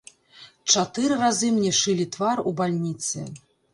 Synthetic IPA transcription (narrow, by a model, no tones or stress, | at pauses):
t͡ʂat̪ɨɾɨrazɨmnʲɛʂɨlʲit̪varubalʲnʲit̪sɨ̰